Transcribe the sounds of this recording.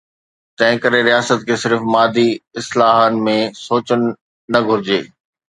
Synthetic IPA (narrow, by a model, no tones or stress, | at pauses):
t̪ɐ̃ɦɪ̃kɐɾeɾijaːsət̪̚kʰeːsɪɾfmaːd̪ʱiɪslaːɦənɪ̆mẽsoːt͡ɕənɪ̆ː | ɐɡʱʊɾɪd͡ʑeː